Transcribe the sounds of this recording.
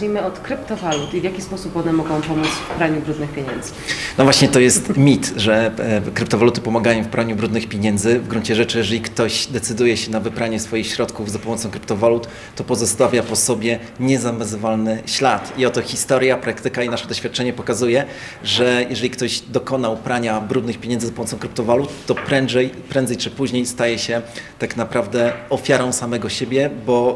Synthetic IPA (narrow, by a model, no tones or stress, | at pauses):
imɘɔt̪kɾɘpt̪ɔvalut̪ivʲjakʲispɔsupɔnɛmɔɡɔ̃w̃pɔmut̪sfpɾaɲubɾud̪nɘxpʲjeɲɛnd̪z̥ɘ̥nɔvwaɕɲɛt̪ɔjɛst̪mʲit̪ʐɛkɾɘpt̪ɔvalut̪ɘ̥pɔmaɡajɔ̃w̃fpɾaɲubɾud̪nɘxpʲjeɲɛnd̪zɘvɡɾuɲt͡ɕɛʐɛt͡ʂɘjɛʐɛlʲikt̪ɔɕd̪ɛt̪sɘd̪ujɛɕɛnavɘpɾaɲɛsfɔjixɕɾɔt̪kuvzapɔmɔt̪sɔ̃w̃kɾɘpt̪ɔvalut̪ː | ɔpɔzɔst̪avʲjapɔsɔbʲjɛ | ɲɛzamɛzɨvalnɘɕlat̪iɔt̪ɔxʲist̪ɔɾjapɾakt̪ɘkainaʂɛd̪ɔɕfʲjat̪̚t͡ʂɛɲɛpɔkazujɛ | ʐɛjɛʐɛlʲikt̪ɔʑd̪ɔkɔnaupɾaɲabɾud̪nɘxpʲjeɲɛnzzapɔmɔt̪sɔ̃kɾɘpt̪ɔvalut̪ːɔpɾɛnzɛjpɾɛ̃nd̪zɛjt͡ʂɘpuʑɲejst̪ajɛɕɛt̪aknapɾavd̪ɛɔfʲjaɾɔ̃w̃samɛɡɔɕebʲjɛbɔ